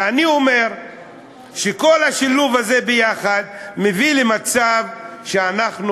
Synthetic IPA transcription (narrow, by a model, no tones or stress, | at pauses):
anio̞me̞ʁ | ʃeko̞lhaʃiluvaze̞bejaχad̪̚mevilemat͡savʃeanaχnu